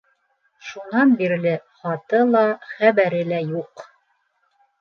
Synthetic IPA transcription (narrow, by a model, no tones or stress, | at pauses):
ʃunɑnbiɾlɘχɑt̪ɤlˠɑχæβæɾɘlæjuq